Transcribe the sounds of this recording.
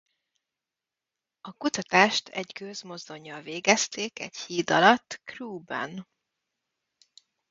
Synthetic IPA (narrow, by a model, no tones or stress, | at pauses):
ɒkut̪ɒt̪aːʃt̪ʰɛ̰ɟkøzmo̞zd̪o̞ɲːɒlveːɡɛst̪eːkɛ̰ɟhiːd̪ɒlɒt̪ːkruːbɛ̰n